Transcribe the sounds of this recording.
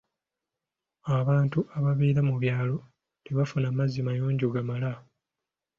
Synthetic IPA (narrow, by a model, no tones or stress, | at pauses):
aβaːntuʔaβaβiːɾamuβjaːlo̞ | teβafunamazːimajoːɲɟuɡamala